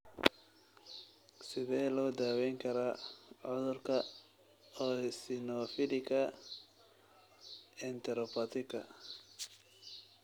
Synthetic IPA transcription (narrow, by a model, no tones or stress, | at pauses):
sɪðɛːlɔːd̪aːwɛjŋkʰɐɾaʕɔðʊrkʰɐ | ɔːsɪnɔfɪlɪkɐ | ɛnt̪ʰɛɾɔpʰɐt̪ʰɪkʰɐ